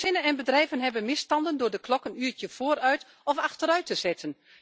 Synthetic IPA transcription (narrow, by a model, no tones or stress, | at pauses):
ɪnənɛnbədrɛjvənɦɛbənmɪstɑndəndʊːrdəklɔkənyətjəv̥oːərœɥt | ɔfaxtəɾœɥtəzɛtʰən